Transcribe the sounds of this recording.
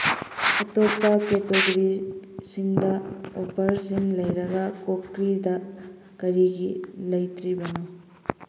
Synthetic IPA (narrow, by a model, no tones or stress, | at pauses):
ɐtopːɐketoɡɐɾisiŋdɐopʰɐɾsiŋlɐjɾɐɡɐkokɾidɐ | kɐɾiɡilɐjtɾibɐnu